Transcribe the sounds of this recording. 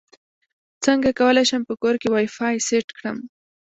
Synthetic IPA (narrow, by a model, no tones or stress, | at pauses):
t͡səŋɡakawəlajʃəmpəkoɾkewɑjfɑjseʈkɽəm